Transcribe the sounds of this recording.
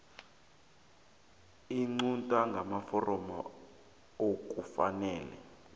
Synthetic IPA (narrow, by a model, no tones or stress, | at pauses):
iŋ͡ǀuntʼaŋɡʱamafɔrɔmɔ | ok̬ʼufa̰nɛːlɛ̰